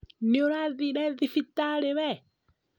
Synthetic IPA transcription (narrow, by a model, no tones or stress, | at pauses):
nioɾaðiɾɛðifitaleβɛ